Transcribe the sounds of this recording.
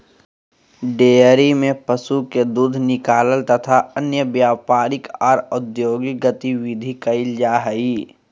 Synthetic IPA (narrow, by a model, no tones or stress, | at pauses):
ɖeːəɾimẽpəsuked̪uːd̪ʱnɪkaːləlt̪ɐt̪ʰaənjəbjaːpaːɾɪkɔːɾʊd̪joːɡiɡət̪iʋɪd̪ʱikəɪld͡ʒaːɦəiː